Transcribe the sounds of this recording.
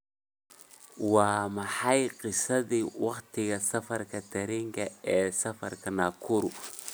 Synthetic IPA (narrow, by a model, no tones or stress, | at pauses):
waːmɐħajqɪsɐðiwɑqt̪ɪɣɐsɐfɐrkʰɐt̪ɐɾiŋkʰɐɛːsɐfɐrkʰɐnaːkʰʊɾʊ